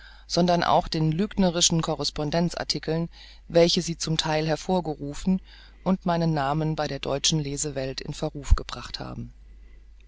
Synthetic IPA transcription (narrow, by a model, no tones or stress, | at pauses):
z̥ɔndɐnʔa̰ʊxd̥eːnlyːɡnəʁɪʃn̩kʰɔʁɛspɔndɛnt͡sʔa̰ɐtʰɪkʰl̩n | vɛlçəziːt͡sʊmtʰaɪlɦɛɐfoːɐɡəʁuːfn̩ | ʔʊntmaɪnənːaːmənbaɪɾeːɐdɔʏt͡ʃn̩leːzəvɛltʰɪ̰nfɛɐʁuːfɡ̥əb̥ʁaχtha̰ːbm̩